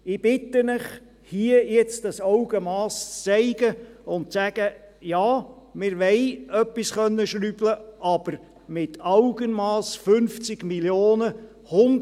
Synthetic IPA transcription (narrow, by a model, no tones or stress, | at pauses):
ɪb̥ɪt̪ːənɪχ | hiəjɛt͡std̥ɑsɑʊɡəmɑːst͡st͡sɛɪɡ̥əʊnt̚sæɡ̥əjɑː | mɪɾʋɛɪœpːisχœnːəʃɾyb̥ləʔɑb̥əɾ | mɪtʰɑʊɡ̥ənmɑːsfɵnft͡sɪɡ̥miljoːnə | hʊnd